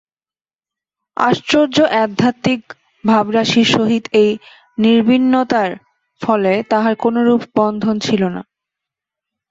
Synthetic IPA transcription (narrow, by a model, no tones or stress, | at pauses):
a̰ʃt͡ɕoɾd͡ʑoʔɛd̪ʱːat̪ːik̚ | bʱabɾaʃiɾʃoɦit̪ej | niɾbʱinːot̪aɾ | fɔlet̪aɦaɾkonoɾupbɔnd̪ʱont͡ɕʰilona̰